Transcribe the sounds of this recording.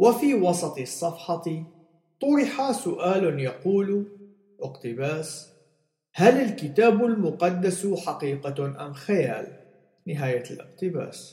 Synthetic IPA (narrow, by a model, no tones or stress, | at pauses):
wɪfiːwɑsˤɑt̪ˤɨsˤːɑfħɑt̪ | t̪ˤʊɾɪħasʊʔaːlʊnjɑquːl | ʔɪqt̪ɪbaːs | halɪlkɪt̪aːbʊlmʊqɑd̪ːasħɑqiːqaʔa̰mxajaːl | nɪɦaːjalʔɪ̰qt̪ɪba̰ːs